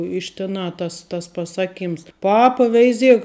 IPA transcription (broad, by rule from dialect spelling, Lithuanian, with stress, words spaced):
ɪʃ tʲɪˈnɑː ˈtɐs tɐs pɐˈsɑːˌkʲiːms ˈpɑːpɐ ˈʋʲɛɪˌzʲiɛk